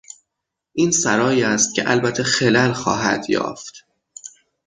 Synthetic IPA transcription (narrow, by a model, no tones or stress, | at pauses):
ʔiːnsæɾɒːjiːæst̪̚cʲʰḛʔælbæt̪ʰːexelælxɒ̰ːɦæ̰d̪̥jɒ̰ːft̪